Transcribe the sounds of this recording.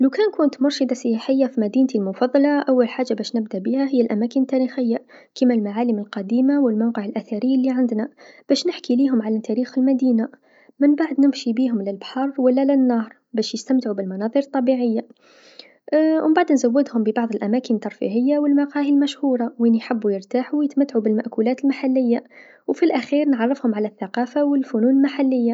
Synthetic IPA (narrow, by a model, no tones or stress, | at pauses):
lawkæːnkʊːnt̪mʊɾˤʃɪd̪asɪjːaħɪjːafimæd̪iːnt̪ilmʊfɑðˤːɑlɑʔawːalħaːʒːabæːʃnɪbd̪abihaɦɪjːalʔæmæːkɪnt̪ːæːɾixɪjːa | kəmalmaʕaːlɪmɪlqɑd̪iːmawɪlmawqəʕɪlʔæθaɾɪjːalːiʕand̪nab̥æːʃnɪħkiliːɦʊmʕalæt̪ːæɾiːxɪlmæd̪iːna | mɪnbaʕd̪nɪmʃibiːɦʊmlɪlbħɑɾˤwalːalɪnːɑːɾˤ | bæːʃjəst̪amt̪ʕubɪlmɑnɑðˤɨɾɨt̪ˤːɑbiʕɪjːa | wʔbaʕd̪nzawːɪd̪hʊmbəbɑʕðˤəlʔæmæːkənət̪ːɑɾˤfḭɦəjːawəlmaqɑːhilmæʃhuːɾˤɑwinijħɪbːujəɾt̪aːħujɪt̪mæt̪ːʕubɪlmaʔkulæːt̪əlmaħalːɪjːa | wfilʔæxiːɾnʕɑrˤːɪfhʊmʕalæθːaqɑːfawɪlfʊnuːnəlmaħalːɪjːa